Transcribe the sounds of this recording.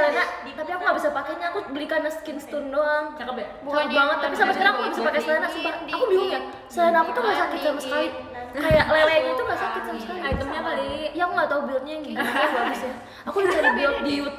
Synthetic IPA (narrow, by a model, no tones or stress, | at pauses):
slana | kat̪iakuŋɡabisapakaɲaːkubəlikanəskɪnst̪undɔabbuaabaŋət̪ːapisamasəkaɾaŋakuŋɡabisapakaslanaʔsəbarakubiuŋja | salanakut̪ubəɾasakit̪̚saməsəkalɪ | kajaʔlelaɲat̪ubasakɪt̪̚samskaliait̪əmɲakalijaakuŋɡat̪aubilɲaŋiabaɡisa | akubisadibiʊt̪diut̪̚